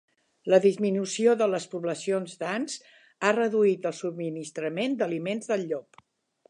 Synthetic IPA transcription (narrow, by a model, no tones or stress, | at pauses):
ləðizminusioðələspuβləsionzd̪anz | arəðuit̪əlˠsub̚minist̪ɾəmend̪əlimenzðəlʎɔp